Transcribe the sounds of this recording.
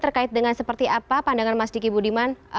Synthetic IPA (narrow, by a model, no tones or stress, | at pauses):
t̪ərkaɪt̪̚dəŋansəpərt̪iʔapapandaŋanmasdikibudiman